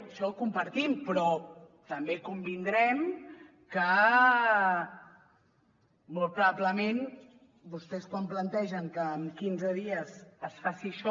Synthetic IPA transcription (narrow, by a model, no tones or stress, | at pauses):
əʃɔlkumpəɾt̪impɾɔ | t̪əmbekumbind̪ɾɛm | kə | mɔlˠt̪pɾuβabləmen | bust̪ɛskwamplənt̪ɛʒəŋkəːmkinzəðiəzəsfasiəʃɔ